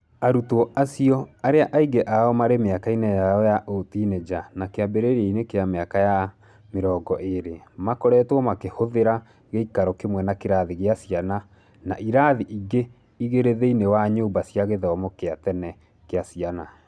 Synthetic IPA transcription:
aɾutɔasiɔaɾeaʔaiɡeʔaɔmaɾemeakainejaɔjaʔotined͡ʒanakeabeɾeɾeinekeameakaja | meɾɔːɡɔʔeɾemakɔɾɛːtwɔmakehoðeɾa | ɣeikaɾɔkemwɛnakeɾaðiɣeasiana | naʔiɾaðiʔiɡe | iɣeɾeðeinewaɲoːmbasjaɣeðɔmokeatɛnɛ | keasiana

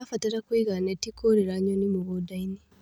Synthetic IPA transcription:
afatiɾakwiɣanetikʰoɾeɾaɲonimuɣodaini

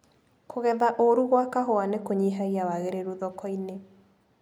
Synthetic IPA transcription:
kʰoɣɛðaʔoɾuɣwakaɦoanekoɲiɦaiawaɣeɾeɾuðɔkɔine

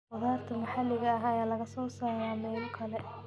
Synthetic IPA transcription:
wɐðaːrt̪ʰɐmɐħalːɪɣɐːɦɐjaːlɐɣɐsɔːsajaːmɛːlkʰɐlɛ

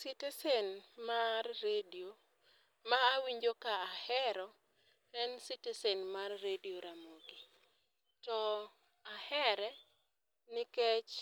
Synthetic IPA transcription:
sitɛsenmarːedio | maːwiɲd͡ʒokaahɛɾɔ | ɛnsitesenmarːedioɾamoɡi | tɔ | ahɛɾɛ | nɪket͡ʃ

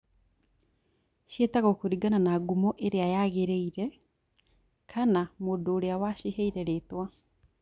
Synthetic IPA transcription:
ʃjetaɣɔkoɾiɡananaɡumɔʔeɾeajaɣeɾeiɾɛ | kʰanamodoːɾeawaʃiɦeiɾɛɾetwa

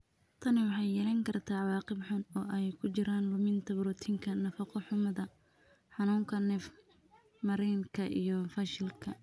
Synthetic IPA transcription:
t̪ʰɐnɪwɑħɑjːɛːlɐŋkʰɐrt̪ʰaːʕɑwɑːqɪbħʊnɔːʔɛjkʰʊt͡ʃɪɾaːnlʊmɪnt̪ʰɐbɾɔt̪ʰiːŋkʰɐnɐfɐqʰɔħʊmɐðɐ | ħɑnuːŋkʰɐnɛf | mɐɾɛjŋkʰɐʔḭjɔfɐʃɪlkʰɐ

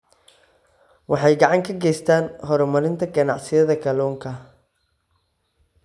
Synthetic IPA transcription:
wɑħɑjɡɑʕɑŋkʰɐɡɛjst̪ʰaːnɦɔɾɔmɐɾɪnt̪ʰɐɡɐnɑʕsɪjɐðɐɡɐlɔːŋkʰɐ

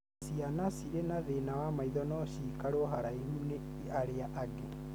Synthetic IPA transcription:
sianasiɾenaðenawamaiðɔnɔɕiːkaɾoɦaɾaiɦune | aɾeaʔaɡe

